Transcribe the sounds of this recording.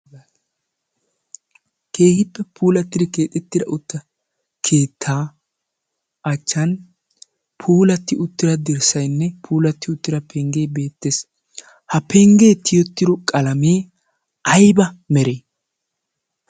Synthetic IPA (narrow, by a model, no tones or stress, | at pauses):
ke̞ːhɪpːɛpʰuːlɐt̪ːɪd̪ɪke̞ːt̪ʼɛt̪ːɪd̪ɐ̰ʔʊt̪ːɐ | kʰe̞ːt̪ʰːaː | ɐt͡ʃːɐn | pʰuːlɐt̪ːɪʊt̪ːɪɾɐd̪ɪɾsɐjnːɛpʰuːlɐt̪ːɪʊt̪ːɪɾɐpʰɛŋɡe̞ːbe̞ːt̪ːe̞ːs | hɐpɛŋɡe̞ːt̪ʰɪjɔt̪ːɪd̪ɔkʼɐlɐmeː | ɐjbɐmɛɾeː